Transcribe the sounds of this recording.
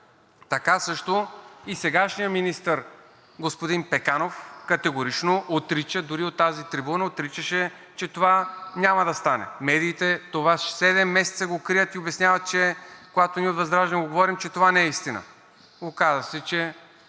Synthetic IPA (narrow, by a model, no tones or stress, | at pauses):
t̪ɐkasɤʃt̪oisɛɡaʃnijəminist̪əɾ | ɡospod̪inpɛkanofkɐt̪ɛɡoɾit͡ʃnoʔot̪ɾit͡ʃəd̪ʊɾiot̪ːazit̪ɾibunəot̪ɾit͡ʃəʃɛ | t͡ʃɛt̪ovanʲamɐd̪ɐst̪anɛ̰mɛd̪iːt̪ɛt̪ovaʃsɛd̪ɛmːɛsɛt̪səɡokɾijət̪iobɛsnʲjavɐt̪̚t͡ʃɛkoɡat̪oniɛot̪vɐzd̪ɾaʒɛnɐɡoɡovɔɾimt͡ʃɛt̪ovanɐɛist̪inə̰ | okazəsɛt͡ʃɛ